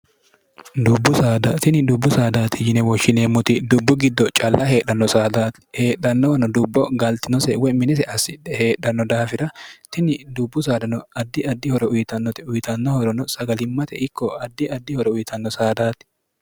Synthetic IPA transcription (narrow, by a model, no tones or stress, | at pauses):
d̪ʊbːʊsaːd̪at̪ɪnɪd̪ʊbːʊsaːd̪aːt̪ɪjɪnɛwɔʃːɪneːmːʊt̪ɪd̪ʊbːʊɡɪd̪ːɔt͡ʃʼɐlːɐhe̞ːɗɐnːɔsaːd̪aːt̪ | he̞ːᶑɐnːɔwɐnɔd̪ʊbːɔɡɐlt̪ɪnɔsɛwɔjmɪnɛs̬ɛʔɐsɪdɛhe̞ːᶑɐnːɔd̪aːfɪɾɐt̪ɪnɪd̪ʊbːʊsaːd̪ɐnɔɐd̪ːɪɐd̪ːɪhɔɾɔʊjɪt̪ɐnːɔt̪ɪʊjt̪ɐnːɔhɔɾɔnɔsɐɡɐlɪmːɐt̪ɛ̰ʔɪkʰːɔɐd̪ːɪɐd̪ːɪhɔɾɔʊjɪt̪ɐnːɔsaːd̪aːt̪ɪ̥